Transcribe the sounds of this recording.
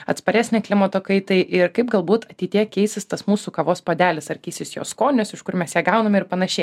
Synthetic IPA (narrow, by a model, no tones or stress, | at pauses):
ɐ̰t̪spɐɾʲæːsʲnʲɛklʲɪmɐt̪oːkɐɪt̪ɐɪʔɪɾkɐɪp̚ɡɐlˠbuːt̪ɐt̪ʲiɪt̪ʲiːkʲɛɪsʲɪst̪ɐsmuːsuːkɐʋoːspoːd̪ʲæːlʲɪsɐɾʲkʲiːsʲɪsjo̰ːskoːnʲʊsɪʃkʊɾmʲɛsjiɛɡɐʊnɐmʲɪɾpɐnɐʃʲɛɪ